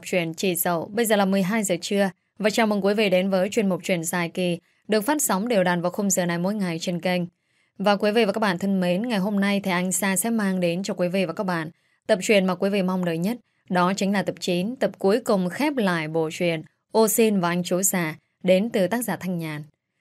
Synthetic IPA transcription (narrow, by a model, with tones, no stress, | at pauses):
p̚t͡ɕwi˧˩ənt͡ɕḭ˧˩zə̰˧˨wɓə˧jzəː˨˩laː˨˩mɨ˨˩əjɦaː˧jzəː˨˩t͡ɕɨ˧ə | vaː˨˩t͡ɕa˧˨˩wmɨ˨˩ŋku˨˦vḭ˧˨ɗe˨˦nvəː˨˦jt͡ɕwi˧˩ənmʊ˨˩t͡ɕwḭ˧˩ənsaː˧˩jki˨˩ | ɗɨ˨˩ək̚faː˦˥t̚sɔ˨˦wŋ͡mɗe˨˩wɗaː˨˩nvaː˨˩wxo˧mzəː˨˩na˨˩jmo̰˧˦jŋa˨˩jt͡ɕe˧nkə˧jŋ̟ | vaː˨˩kwi˨˦vḭ˧˨vaː˨˩kaː˦˥kɓaː˧˨nt̪ʰɨ˧ŋme˨˦nŋa˨˩jɦo˧mna˧jt̪ʰɛ˧˩ʔa˧jŋ̟saː˧sɛ̰˧˥maː˧ŋɗe˨˦nt͡ɕɔ˧kwi˨˦vḭ˧˨vaː˨˩kaː˦˥k̚ɓa̰ː˧˨n | t̪ə˨˩p̚t͡ɕwḭ˨˩ənmaː˨˩kwi˨˦vḭ˧˨ma˧wŋ͡mnəː˨˩jɲə˦˥t̚ | ɗɔ˨˦t͡ɕï˨˦ŋlaː˨˩t̪ə˨˩p̚t͡ɕi˨˦nt̪ə˨˩p̚ku˨˦əjkʊ˨˩ŋ͡mxɛ˦˥p̚la̰ː˧˨jɓo̰˧˨t͡ɕwi˨˩ən | ʔo˧si˧nvaː˨˩ʔa˧jŋ̟t͡ɕu˨˦saː˧˩ | ɗe˨˦nt̪ɨ˨˩t̪aː˦˥k̚zaː˧˩t̪ʰa˧jŋ̟ɲaː˨˩n